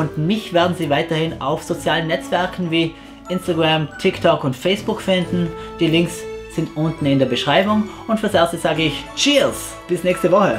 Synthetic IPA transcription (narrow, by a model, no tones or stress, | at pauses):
ʊndmɪçv̥eːɐdn̩ziːvaɪtɐhɪna̰ʊfz̥ot͡sjaːlənːɛt͡sv̥ɛɐkʰn̩viː | ʔɪnstaɡʁamtʰɪktʰɔkʊntfɛɪsb̥ʊkfɪndn̩d̥iːlɪŋksz̥ɪntʔʊntn̩ɪndeːɐbəʃʁ̥aɪbʊŋʊntfːɐsʔɛɐstəz̥aːɡəɪçt͡ʃiːs | b̥ɪsnɛːçstəvɔxə